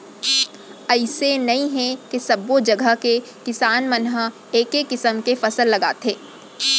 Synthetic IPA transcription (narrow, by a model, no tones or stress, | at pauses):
ɐɪsenɐɦĩɦɛ̃kesɐbod͡ʒɐɡʱəke | kɪsaːnmənɦə | eːkekːɪsəmkefɐsəlːɐɡaːt̪ʰeː